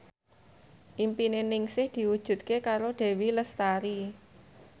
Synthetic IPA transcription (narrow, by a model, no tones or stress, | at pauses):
ʔimpinenɪŋsɪhd̪̥i̤wud̥ʒ̥ṳt̪̚kekaɾoɖ̪̥e̤wiləst̪aɾi